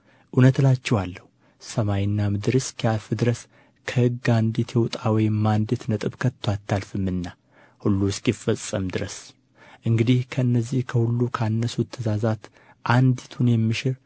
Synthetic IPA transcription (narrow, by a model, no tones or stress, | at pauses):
ʔunət̪lat͡ʃːɛwalːəhu | səmajɪnːamɨd̪ɨɾɨskʰialfɨd̪ɨɾəs | kʰəhɨɡand̪it̪ʰjewt̪ʼawɔjmand̪et̪nət̪ʼɨβkʰət̪ʰːwat̪ːalfɨmːɨnːa | hulːuskʼjifəsʼːəmd̪ɨɾəs | ʔɨŋɡɨd̪ihkʰəɨnːəzːihkʰəhulːukʰanːəsut̪ʰːəzazat̪ | ʔand̪it̪ʰunjɛmːɨʃɪɾ